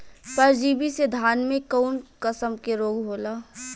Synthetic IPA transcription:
pəɾd͡ʒiːbised̪ʱaːnmẽkɔːnkəsəmkeɾoːɡɦoːlaː

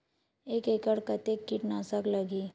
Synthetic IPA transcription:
eːkekəɽkət̪ekːɪʈnaːsəkləɡiː

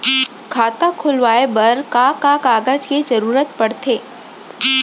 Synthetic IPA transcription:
kʰaːt̪akʰʊlʋaːebɐɾkaːkakaːɡad͡ʒked͡ʒəɾuːɾət̪pəɽt̪ʰeː

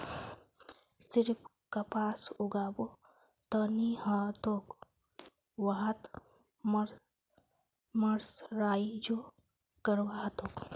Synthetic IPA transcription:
siɾpʰ | kapaːsuɡaːbo | t̪ənihãt̪ok | wɐɦɐt̪ | mɾ | mɐɾsɾaːid͡ʒo | kəɾwaːt̪ok

